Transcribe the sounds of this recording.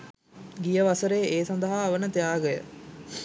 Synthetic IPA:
ɡijəʋasəɾeːʔeːsand̪əɦaːʋənət̪ejaːɡəjə̰

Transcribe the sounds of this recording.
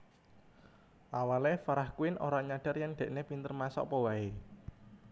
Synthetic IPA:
ʔawalefaɾahkuɪnʔoɾaɲaɖ̥a̤rjaŋɖ̪̥ɛ̤ʔnepint̪ərmasɔ̰ʔpɔwae

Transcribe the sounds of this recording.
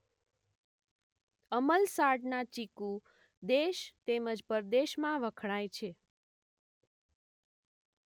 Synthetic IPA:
əməlsaʈnat͡ʃiku | d̪eʃt̪eməd͡ʒpəɾd̪eʃmãʋəkʰɳ̃ajt͡ʃʰe

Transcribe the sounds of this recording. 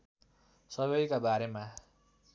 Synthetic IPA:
sʌbʌjkabaɾema

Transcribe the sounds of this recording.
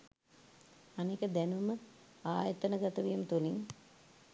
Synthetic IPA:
anikəd̪ænuməaːjət̪ənəɡat̪əʋijmət̪uliŋ

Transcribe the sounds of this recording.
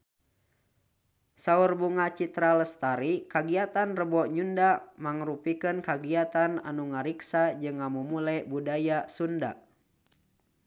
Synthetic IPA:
saurbuŋat͡ʃit̪ɾaləst̪aɾikaɡiat̪anrəbɔʔɲundamaŋɾupikɨnkaɡiat̪ana̰nuŋaɾiksad͡ʒɨŋːamumulɛbudajasunda̰

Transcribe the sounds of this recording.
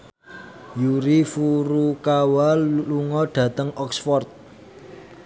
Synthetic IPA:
juɾifuɾukawaluŋɔɖ̥ä̤t̪əŋʔɔksfɔrt̪̚

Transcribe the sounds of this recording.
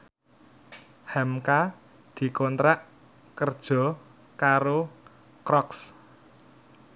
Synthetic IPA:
hɛmka | d̪̥i̤kɔnt̪ɾaʔ | kərd̥ʒ̥ɔ̤ | kaɾo | kɾɔks

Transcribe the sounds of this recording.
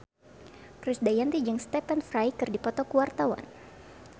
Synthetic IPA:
kɾɪsdajant̪id͡ʒɨŋst̪ɛpɛnfɾajkɨrdipɔt̪ɔkuwart̪awa̰n

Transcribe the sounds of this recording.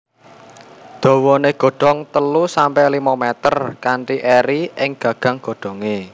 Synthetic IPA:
d̪̥o̤wɔneɡ̥o̤ɖ̥ɔ̤ŋt̪əlusampɛlimamɛt̪ərkaɳʈiʔeɾiɪŋɡ̥ä̤ɡ̥a̤ŋɡ̥o̤ɖ̥ɔ̤ŋe

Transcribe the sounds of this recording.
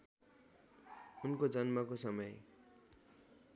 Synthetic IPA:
unkod͡zʌnmʌkosʌmʌj

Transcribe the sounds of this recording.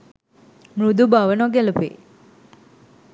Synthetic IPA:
mɾud̪ubaʋənoɡɛlupḛː

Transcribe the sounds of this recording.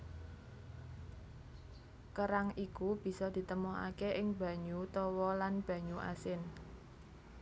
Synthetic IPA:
kəɾaŋikub̥i̤sɔd̪̥i̤t̪əmɔa̰keʔɪŋb̥ä̤ɲut̪ɔwɔlanb̥ä̤ɲuʔa̰sɪn

